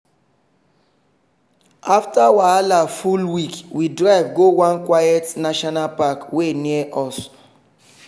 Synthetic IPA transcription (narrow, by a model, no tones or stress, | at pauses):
aftawaalafulwikwidɹaɪvɡowãnkwajɛtnaʃɔnalpakweniɛʔɔs